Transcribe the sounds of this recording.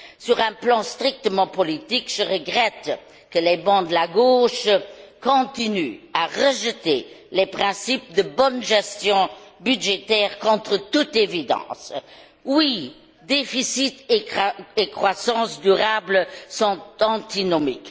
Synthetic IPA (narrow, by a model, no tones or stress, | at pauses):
syʁɛ̃plɑ̃st̪ʁik̚t̪əmɑ̃pɔlit̪ikʒ̥əʁəɡʁɛt̪ | kəlɛbɑ̃d̪əlaɡoːʃkɔ̃t̪inyaʁəʒət̪elɛpχɛ̃sip̚d̪əbɔnʒɛst̪jɔ̃byd̪ʒet̪ɛːʁkɔ̃t̪χət̪ut̪evid̪ɑ̰̃ːs | wi | d̪efisit̪ | ekχwasɑ̃sd̪yʁablsɔ̃t̪ɑ̃t̪inɔmik